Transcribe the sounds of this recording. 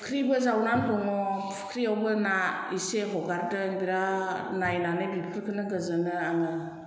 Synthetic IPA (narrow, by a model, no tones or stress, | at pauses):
kʰɾibɯzawnanɡɔŋɔpʰu̥kʰɾiawbɯna | iseɦɔɡaɾdɯŋbiɾanajnanɯbipʰɯɾkʰɯnɯɡɯzɯnɯanɯ